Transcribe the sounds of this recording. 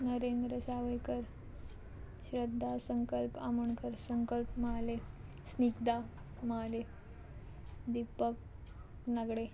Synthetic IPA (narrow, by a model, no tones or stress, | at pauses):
nəɾend̪ɾəsaʋəjkəɾ | ɕɾəd̪ʱːasəŋkəlpaməɳkəɾsəŋkəlpməle | snikd̪a | maale | d̪ipək̚ | nəɡɽe